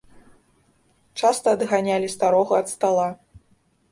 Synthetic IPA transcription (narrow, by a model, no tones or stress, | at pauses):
t͡ʂast̪ɐːd̪ɣanʲalʲist̪aɾɔɣɐɐt̪st̪alˠa